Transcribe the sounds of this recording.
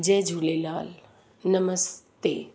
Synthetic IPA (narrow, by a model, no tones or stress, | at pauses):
d͡ʒɛ̃ːd͡ʒʱuːlelaːl | nɐməstt̪eː